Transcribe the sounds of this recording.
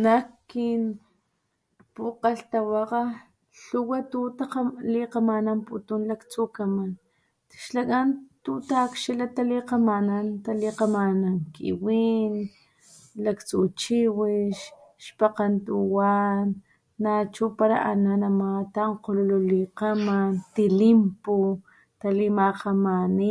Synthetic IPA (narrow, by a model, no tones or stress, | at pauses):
nakkin | puqaɬt̪awaqa | ɬuwat̪ut̪aqliqamanamput̪unlakt͡sukaman | ʃlak̬ʼant̪ut̪akʃilat̪aliqamanant̪aliqamanaŋkḭwiːn | lakt͡sut͡ʃiwiʃʃpaqant̪uwanː | at͡ʃupaɾa̰ʔa̰nanamat̪aɴqolululiqamant̪ilimpo | t̪alimaqamani